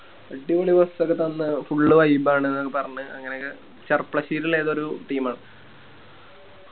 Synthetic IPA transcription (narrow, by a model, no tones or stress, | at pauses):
eɖːiʋoɭiʋɐst̪okːet̪ɐnːɨfuɭːɨʋɐjbaːɳenːokːepɐrɐɲːuɐ̰ŋːɐnekː | t͡ɕɐrpɭɐɕiːɾileːðo̞ɾuʈiːmaːɳɨ